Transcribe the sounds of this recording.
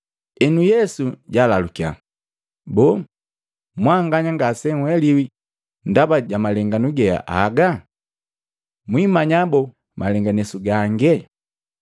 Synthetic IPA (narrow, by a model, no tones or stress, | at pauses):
ɛnujɛsuɟaːlalukia̰ | bɔ | mwaŋɡaɲaŋɡasɛŋwɛliwi | ndabaɟamalɛŋɡanuɡɛa̰ʔa̰ɡa | mwimaɲabɔ | mʔalɛŋɡanɛsuɡaŋɡɛ